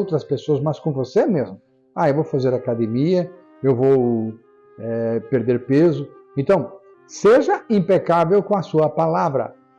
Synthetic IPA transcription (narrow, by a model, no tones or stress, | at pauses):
wt̪ɾɐspesoɐsmɐskõvosemezmʊ | aewvowfazeɾakad̪emiɐ | ewvow | ɛpeɾd̪eɾpezʊ | ẽnt̪ɐ̃w̃ | seʒɐĩmpekavewkõɐsuɐpalavɾɐ̰